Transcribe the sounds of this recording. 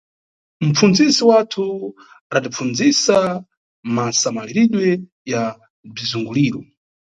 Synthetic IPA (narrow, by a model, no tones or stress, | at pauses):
m̩p͡funzisiwatʰu | aɾadip͡fund͡zisa | masamaliɾiɗwɛ | ja | b͡ʐizuŋɡuliːɾɔ